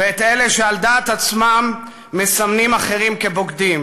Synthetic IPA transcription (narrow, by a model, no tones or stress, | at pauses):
veet̪ele̞ʃeald̪aːt̪at͡smamː | esamnimaχe̞ʁimke̞bo̞ɡd̪im